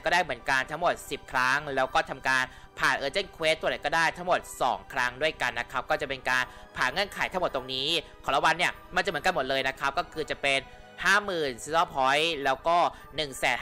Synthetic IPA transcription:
kɔː˥˩daː˥˩jmɯ˩˦ənka˧nt̪ʰa˦˥ŋmo˨˩t̪̚si˨˩p̚kʰɾa˦˥ŋlɛː˦˥wkɔː˥˩t̪ʰa˧mkaː˧npʰaː˨˩nʔɤː˧t͡ɕi˥˩nkʰwe˦˥t̪ːu˧da˨˩jkɔː˥˩daː˥˩jt̪ʰa˦˥ŋmo˨˩t̪̚sɔ̰ː˩˦ŋkʰɾa˦˥ŋdu˥˩əjka˧nːa˦˥kʰa˦˥p̚kɔː˥˩t͡ɕa˨˩pe˧nkaː˧npʰaː˨˩nŋɤ˥˩ənkʰaː˩˦j̪ʰa˦˥ŋm˨˩t̪to˧ŋniː˦˥kʰɔ˨˩˦la˧wa˧nːi˥˩ɐma˧nt͡ɕa˨˩mɯ˩˦ŋka˧mo˨˩t̪̚lɤː˧jna˦˥kʰa˦˥p̚kɔː˥˩kʰɯː˧t͡ɕa˨˩pe˧n | haː˥˩mɯː˨˩nsi˧˥sɔː˥˩pʰɔ˦˥jlɛː˦˥wkɔː˥˩ | nɯ˨˩ŋsɛː˩˦n

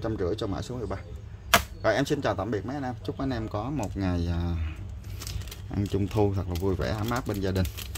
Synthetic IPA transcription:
t͡ɕa˧mt͡ɕɨ̰˧˩əjt͡ɕɔ˧ma̰ː˧˥jsu˨˦əmɨ˨˩jɓaː˧ | ɣɔ̰˧˨ʔɛ˧msi˧nt͡ɕɔ˨˩t̪aː˧˩mɓi˨˩ək̚mə˨˦jʔa˧nʔɛ˧mt͡ɕʊ˦˥k͡p̚ʔa˨˧˦nʔɛ˧mkɔ˨˦mo˨˩t̚ŋa˨˩jaː˨˩ | ʔa̰˧nt͡ɕʊ˧ŋ͡mt̪ʰu˧t̪ʰa˨˩k̚laː˨˩vu˧jvɛ̰˧˩ʔaː˧mːaː˦˥t̚ɓe˧nzaː˧ɗï˨˩ŋ̟

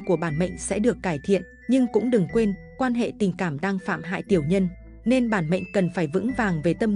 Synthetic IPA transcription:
ku˧˩əɓaː˧˩nmə̰˧˨jŋ̟sɛ̰˧˥ɗɨ˨˩əkːaː˧˩jt̪ʰḭ˧˨ən | ɲɨ˧ŋkʊ̰˧˥ŋ͡mɗɨ˨˩ŋkwe˧n | kwaː˧nɦḛ˧˨t̪ï˨˩ŋ̟kaː˧˩mɗaː˧ŋfa̰ː˧˨mɦa̰ː˧˨jt̪i˨˩əwɲə˧n | ne˧nɓaː˧˩nmə̰˧˨jŋ̟kə˨˩nfaː˧˩jvɨ̰˧˥ŋvaː˨˩ŋve˨˩t̪ə˧m

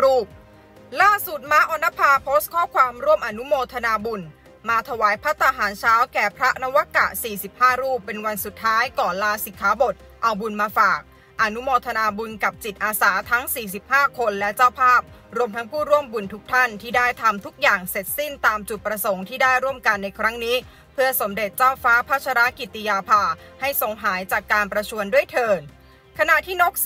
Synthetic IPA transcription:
ɾuː˥˩p̚ | laː˥˩su˨˩t̪̚maː˦˥ʔɔː˧na˦˥pʰaː˧pʰoː˦˥st̪̚kʰɔː˥˩kʰwaː˧mɾu˥˩mʔa˧nu˦˥moː˧t̪ʰa˧naː˧bu˧n | maː˧t̪ʰa˧waː˩˦jpʰɾa˦˥t̪a˧ɦaː˩˦nt͡ɕʰaː˦˥wkɛː˨˩pʰɾa˦˥ʔna˦˥wa˦˥ka̰˨˩ʔsiː˨˩si˨˩p̚haː˥˩ɾuː˥˩pːe˧nwa˧nsu˨˩t̪ʰːaː˦˥jkɔː˨˩nlaː˧si˨˦kʰaː˩˦bo˨˩t̪̚ | ʔa˧wbu˧nmaː˧faː˨˩k̚ | ʔa˧nu˦˥moː˧t̪ʰa˧naː˧bu˧nka˨˩p̚t͡ɕi˨˩t̪̚ʔaː˧saː˩˦t̪ʰa˦˥ŋsiː˨˩s̬i˨˩p̚haː˥˩kʰo˧nlɛ˦˥t͡ɕaː˥˩wpʰaː˥˩p̚ɾu˧əmt̪ʰa˦˥ŋpʰuː˥˩ɾu˥˩əmbu˧nt̪ʰu˦˥k̚t̪ʰa˥˩nt̪ʰiː˥˩daː˥˩jt̪ʰa˧mt̪ʰu˦˥k̚jaː˨˩ŋse˨˩t̪̚si˥˩nt̪aː˧mt͡ɕu˨˩t̪̚pɾa˧so˩˦ŋt̪ʰiː˥˩daː˥˩jɾu˥˩əmka˧nːa˧jkʰɾa˦˥ŋniː˦˥ | pʰɯ˥˩ɐso˩˦mde˨˩t̪̚t͡ɕaː˥˩wfaː˦˥pʰaː˥t̪̚t͡ɕʰaː˧ɾa˦˥ki˨˩t̪ːi˧jaː˧pʰaː˧ha˥˩jso˨˩ŋɦaː˩˦jt͡ɕaː˨˩kːaː˧npɾa˧t͡ɕʰu˧əndu˥˩əjt̪ʰɤː˧n | kʰa˧na˨˩ʔt̪ʰiː˥˩no˦˥k̚

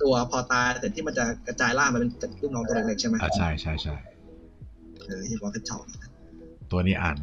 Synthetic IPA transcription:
t̪u˧ɐpʰɔː˧t̪aː˧jse˨˩˦t̪ʰiː˥˩ma˧nt͡ɕa˨˩ka˧t͡ɕaː˧jlaː˥˩mːa˧me˧t͡ɕt̪̚kʰɯ˥˩ŋlɔː˧˥ŋt̪ːoː˧ŋleː˧˩ŋt͡ɕʰa˥˩jma˦˥ʔa˧˩t͡ɕʰa˥˩jt͡ɕʰa˥˩jt͡ɕʰa˥˩j | ʔɤː˧˩t̪ʰiː˥˩kʰɔː˧˩tʰe˦˥t̚t͡ɕʰa̰˨˧˩wni˧˩a˧˩ | t̪u˧ɐniː˦˥ʔa̰ː˨˩n

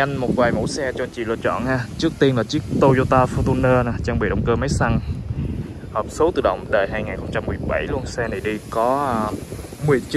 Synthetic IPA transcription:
a˧ŋmo˨˩t̚vaː˨˩jmṵ˧˥sɛ˧t͡ɕɔ˧t͡ɕḭ˧˨lɨ̰˧˨t͡ɕɔ̰˧˨nhaː˧t͡ɕɨ˦˥ək̚t̪i˧ənlaː˨˩t͡ɕi˦˥ək̚t̪o˧zo˧t̪aː˧fɔ˧t̪u˧nəː˧naː˨˩t͡ɕaː˧ŋɓḭ˧˨ɗə̰˧˨wŋ͡mkəː˧ma˨˦jsa˧ŋ | həː˨˩p̚so˨˦wt̪ɨ˨˩ɗə̰˧˨wŋ͡mɗəː˧˨˩jɦaː˧jŋaː˨˩nxə˧wŋ͡mt͡ɕa˧mːɨ˨˩əjɓa˧˩jlu˧ənsɛ˧na˨˩ɗi˧kɔ˨˦˧ | mɨ˨˩əjt͡ɕ

